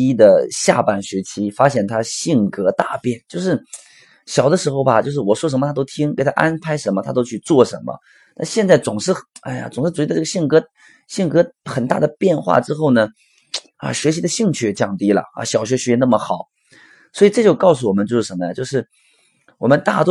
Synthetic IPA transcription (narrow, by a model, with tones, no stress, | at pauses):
i˥d̪ə˨ɕja̰˥˧pa˥˩nɕɥɛ˧˥t͡ɕʰi˥fa˥ɕjɛ˥˩nt̪ʰa˥ɕi˥˩ŋkɤ˥t̪a˥˧pjɛ˥˩nt͡ɕjo˥˧ʊʂɻ̩˥˩ | ɕjɑ˨˩ʊd̪ə˦ʂɻ̩˧˥xo˥˧ʊbɐ˨˩t͡ɕjo˥˧ʊʂɻ̩˥˩wɔ˨˩ʂwɔ˥ʂ̬ə˧˥mə˧a˥t̪o˥ʊt̪ʰi˥ŋke˨˧˩ɪt̪ʰa̰˥ʔa˥npʰa˧˥ɪʂə˧˥nmə˧t̪ʰa̰˥t̪o˥ʊt͡ɕʰy˥˧t͡swɔ˥˩ʂə˧˥nmə̰˧ | na˥˧ɕjɛ˥˧nt͡sa˥˩ɪt͡sʊ˨˩ŋʂɻ̩˥˩a̰˥˩ɪa̰˩t͡sʊ˨˩ŋʂ̩˥˩u˨˩i˥˧˩ə˧ɕi˥˩ŋkɤ˥ | ɕi˥˩ŋkɤ˧˥xə˨˩nt̪a̰˥˩d̪ə˩pjɛ˥˧nxwa̰˥˩ʈ͡ʂɻ̩˥xo˥˩ʊnə˩ | ɐ̰˧˩ɕɥɛ˧˥ɕi˧˥d̪ə˧ɕi˥˧ŋt͡ɕʰy˥˩˧t͡ɕjɑ˥˩ŋt̪i˥lə̰˨˩ɐ̰˧˩ɕjɑ˨˩ʊɕɥɛ˧˥ɕɥɛ˧˥ɛ˧˥na˥˩mə˩xɑ˨˩˦ʊ | swɔ˧˥i˨˩ʈ͡ʂɤ˥˧t͡ɕjo˥˧ʊkɑ˥˩ʊs̬u˩wɔ˨˩mə˦nt͡ɕjo˥˧ʊʂɻ̩˥˩ʂə˧˥mə˧ja˨˧t͡ɕjo˥˧ʊʂ̬ɻ̩˥˩ | wɔ˨˩mə˧˦nt̪a̰˥˩t̪